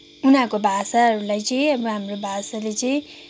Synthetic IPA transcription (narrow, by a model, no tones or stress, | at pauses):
unakobʱasaɦʌɾulajt͡sʌĩʌbʌɦamrobʱasalet͡sʌĩ